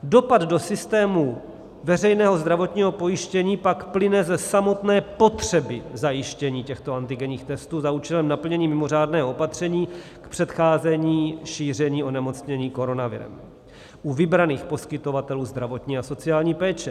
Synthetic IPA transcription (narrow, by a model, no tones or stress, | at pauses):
do̞pad̪do̞sɪst̪ɛːmu | vɛrɛjnɛːɦo̞zd̪ɾavo̞t̪ɲiːɦo̞po̞jɪʃcɛɲiːpakplɪnɛzɛsamo̞t̪nɛːpo̞t̪r̝̥ɛbɪzajɪʃcɛɲiːcɛxt̪o̞ant̪ɪɡɛɲiːxt̪ɛst̪uːzauːt͡ʃɛlɛmnapl̩ɲɛɲiːmɪmo̞r̝aːdnɛːɦoopat̪r̝̥ɛɲiː | kpr̥ɛt̪xaːzɛɲiːʃiːr̝ɛɲiːʔo̞nɛmo̞t͡sɲɛɲiːko̞ɾo̞navɪ̰ɾɛ̰m | ʔuvɪbɾaniːxpo̞skɪt̪o̞vat̪ɛluːzd̪ɾavo̞t̪ɲiːaso̞t͡sɪaːlɲiːpɛːt͡ʃɛ